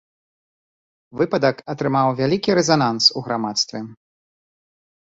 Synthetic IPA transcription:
vɨpɐd̪ɐkɐt̪ɾɨmawvʲalʲikʲiɾɛzanansuɣɾamat̪st̪vʲɛ

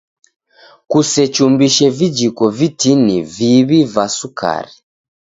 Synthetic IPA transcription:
kusɛt͡ʃumbiʃɛvid͡ʒikɔvitiniviβivasuka̰ɾi

